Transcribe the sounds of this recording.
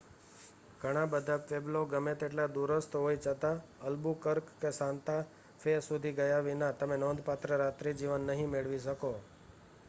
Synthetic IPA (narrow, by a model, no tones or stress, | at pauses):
ɡʱəɽ̃ãbəd̪ʱapebloɡəmet̪eʈlad̪uɾəst̪ɦoit͡ʃʰət̪aəlbukəɾkːesãnt̪a | fʰesud̪ʱiɡəjaʋinat̪əmenɔ̃nd̪ʱpat̪ɾəɾat̪ɾid͡ʒiʋənːəɦĩmeɭʋiʃəko